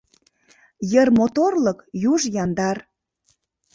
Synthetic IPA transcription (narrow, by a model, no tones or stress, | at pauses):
jərmot̪orləkjuʒjɑnd̪ɑr